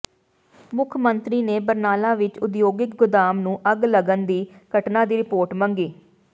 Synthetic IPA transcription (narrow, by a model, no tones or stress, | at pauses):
mʊkʰmənt̪ɾiːneːbəɾnaːlaːʋɪt͡ʃʊd̪joːɡɪk̚ɡʊd̪aːmnũːʔəɡləɡənd̪iːkəʈnãːd̪iːɾɪpoːɾʈməŋɡiː